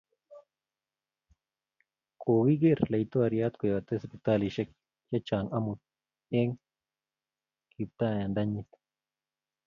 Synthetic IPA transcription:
koːɡiɡeɾlɐit̪oɐɾjat̪kojɐt̪espit̪aːliʃek̚ | jɐt͡ʃaːŋɐmut̪̚ | eŋ | kip̚t̪aːjand̪ɐɲːit̪

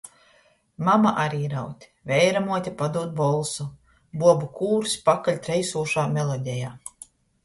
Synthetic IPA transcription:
mamaʔaɾiːɾawt̪ʲ | vʲɛjɾamuɔt̪ʲapad̪uɔt̪̚bɔlˠsu | buɔbukuːɾspakalʲt̪ɾɛjsuːʃaːmʲɛlˠɔd̪ʲɛjaː

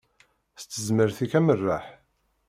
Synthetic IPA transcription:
θt͡sːəzməɾθikæmərːaħ

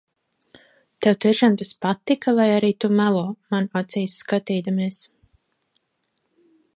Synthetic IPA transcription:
t̪ɛwt̪iɛʃamt̪ɛspat̪ikavajaɾiːt̪umælˠɔːmanat̪sijsːkat̪iːd̪amiɛs

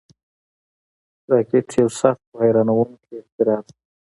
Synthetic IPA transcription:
ɾɑkeʈjawsaxt̪̚pəhajɾɑnawuŋkʰeɪxt̪ɪɾɑt̪

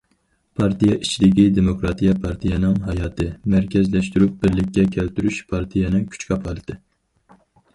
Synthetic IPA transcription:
pʰɑɾt̪ijɑʔit͡ʃʰlɪkʲid̪emokɾɑt̪ʰijɑpʰɑɾt̪ʰijɑnɨŋɦɑjɑːt̪ʰɨmæɾkʲʰɛzlɛʃt̪yɾyp̚bɪɾlɪkʲːɛkʲʰɛlt̪yɾyʃpʰɑɾt̪ʰijɛnɨkʲʰy̥t͡ʃkʰɑpʰɑlˠɨt̪ʰɨ

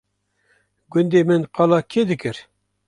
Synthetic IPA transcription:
ɡʊnd̪eːmɨnqɑlɑːkʰed̪ɨkɨɾ

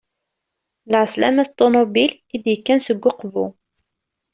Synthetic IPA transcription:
lʕəslæ̰mæθt̪ˤːomobil | id̪jəkːænsəɡʷːʊqvu

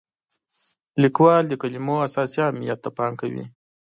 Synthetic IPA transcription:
likwɑld̪əkalimoasɑsiɑːmijat̪ːapɑŋkawḭ

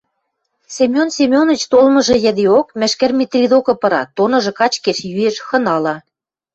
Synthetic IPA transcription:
sʲemʲjonsʲemʲjonə̆t͡ɕt̪olmɤ̆ʒɤ̆jæ̆d̪eokmæ̆ʃkɘ̆rmʲit̪rʲid̪okɤ̆pɤ̆ɾɑt̪onɤ̆ʒɤ̆kɑt͡ɕkeʃjyeʃxɤ̆nɑlɑ

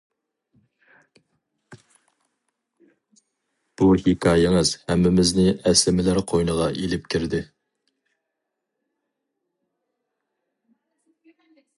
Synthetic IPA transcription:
b̥uhɪkʲʰɑːjɪŋɨzhɛmːɪmɪznɪʔɛslɪmɪlæɾqʰojnəʁɑʔelɪp̚kʲʰiɾd̪ɪ

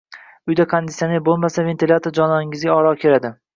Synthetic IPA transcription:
ʊjd̪akʰand̪ɪt̪sjanijbolˠmasave̞nt̪ʰʲilʲat̪ʰoɾd͡ʒɒnɒnɪŋɪzɡʲaɒɾɒkʲʰe̞ɾad̪ɪ

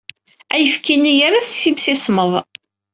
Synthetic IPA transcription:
æjəfkinːijaɾaθsibsɪsməðˤ

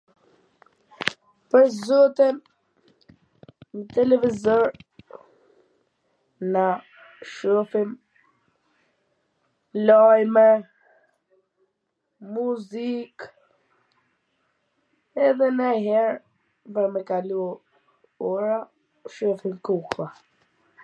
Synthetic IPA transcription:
pəɾzɔt̪in | mət̪ɛlɛvizɔɾ | na | ʃɔfim | lajmɛ | muzik | ɛðɛnaɦɛɾ | vɛmɛkalu | ɔɾa | ʃɔfimkuklˠa

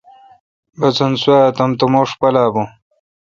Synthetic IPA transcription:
bɐt͡sɐnsuat̪ɐmt̪umoːʂpɐlaːbõ

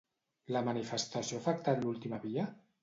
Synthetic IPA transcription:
ləmənifəst̪asijoafək̚t̪at̪lulˠt̪imaβiə

